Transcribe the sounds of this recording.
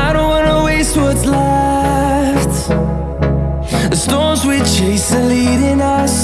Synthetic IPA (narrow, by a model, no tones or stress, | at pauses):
aɪɾõʊ̃n̚wɑnəweɪst̚wʌtsla | ft | ðɨstɔnzwɪð̥t͡ʃʰeɪsɨ̃nliɾɪ̃nʌs